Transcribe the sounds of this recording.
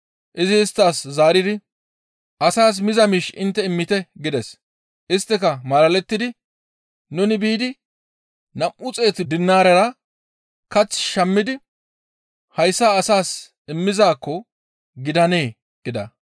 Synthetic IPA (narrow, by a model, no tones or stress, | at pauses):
ʔɪzɪːst̪ːaːszaːɾɪd̪ɪ | ʔɐsaːs̬mɪzɐmiːʃɪnt̪ːɛɪmːɪt̪ɛɡɪd̪ɛs | ʔɪst̪ːɛkɐmɐlɐlɛt̪ːɪd̪ɪ | nʊnɪbiːd̪ɪ | nɐmʔʊt͡sʼe̞ːt̪ɪd̪ɪnːaːɾɐɾɐ | kɐt͡sːʃɐmːɪd̪ɪ | hɐjsːaːsaːs | ɪmːɪzaːkːɔ | ɡɪd̪ɐne̞ː | ɡ̥ɪd̪ɐ̰